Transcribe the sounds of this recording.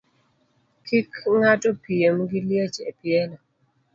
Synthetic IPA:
kʰikŋatɔpiemɡiljet͡ʃepjɛlɔ

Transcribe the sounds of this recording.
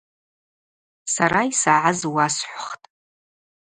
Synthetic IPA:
saɾaisaʕazwasħʷχtʼ

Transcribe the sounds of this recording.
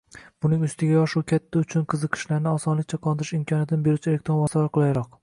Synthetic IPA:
b̥ʊnɪŋʊst̪ʰɪɡʲajɒʃuwkʲʰat̪ʰːaʊt͡ʃʰʊnqʰɨzɨqʰɨ̥ʃlaɾnɪɒsɒnlɪkʲt͡ʃʰaqʰɒlˠd̪ɪɾɪʃɪmkʲʰɒnjat̪ʰɪnɪbe̞ɾut͡ʃʰelek̚ʲt̪ɾonvɒsavaɾqʰɨlˠajɾɒq̚

